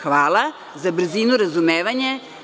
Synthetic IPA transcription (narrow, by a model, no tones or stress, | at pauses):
xʋaːlˠa | zabr̩ziːnuɾazumeːʋaɲe